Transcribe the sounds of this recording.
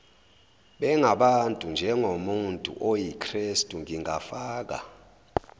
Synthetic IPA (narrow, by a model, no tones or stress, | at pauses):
ɓɛŋaɓantʼund͡ʒʱɛŋʱomuntʼṵʔojikʰristʼuŋiŋʱafaːk̬a̰